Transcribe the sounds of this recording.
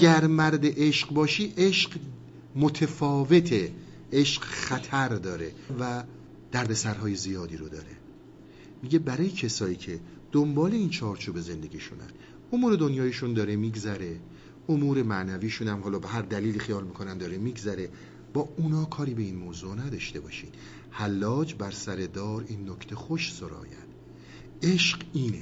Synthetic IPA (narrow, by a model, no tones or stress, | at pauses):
æɡæɾmæɾd̪eʔeʃqbɒːʃiːʔeʃɢ | mot̪ʰefɒːvet̪ʰe | ʔeʃqxæt̪ʰæɾd̪ɒːɾe̞væ | d̪̥æɾd̪e̞sæɾɦɒːje̞zijɒːd̪iːɾod̪ɒːɾe̞ | miːɟe̞bæɾɒːjecʰesɒːiːcʰe̞ | d̪̥ombɒːle̞iːnt͡ʃʰɒːɾt͡ʃʰuːbe̞ze̞nd̪e̞ɡiːʃṵnæ̰n | omuːɾe̞d̪o̞njɒːjeʃund̪ɒːɾemiːɡzæɾe̞ | omuːɾe̞mænæviːʃunæmɦɒːlɒːbe̞ɦæɾd̪æliːliːxijɒːlmiːkʰonænd̪ɒːɾemiːɡzæɾe̞ | b̥ɒːunɒːkʰɒːɾiːbe̞iːnmoːzunæd̪ɒʃt̪e̞bɒːʃiːd̪̥ | hælːɒːd͡ʒbæɾsæɾe̞d̪ɒːɾiːnːocʰt̪ʰe̞xoʃsoɾɒ̰ːjæ̰nd̪̥ | e̞ʃɢiːne